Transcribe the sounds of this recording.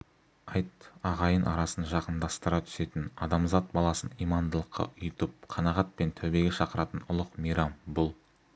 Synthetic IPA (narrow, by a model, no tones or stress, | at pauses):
ɑjt̪ɑʁɑjənʔɑ̰ɾɑsənʒɑqənd̪ɑst̪əɾɑt̪ʰʏ̥se̞t̪ɪnɑd̪ɑmzɑt̪̚bɑlˠɑsənijmɑnd̪əlˠəqːɑ̰ʊjt̪əp̚qʰɑnɑʁɑt̪̚pe̞nt̪ʰɵbe̞ɡʲeʃɑqəɾɑt̪ənʊlˠəqmijɾɑmbʊlˠ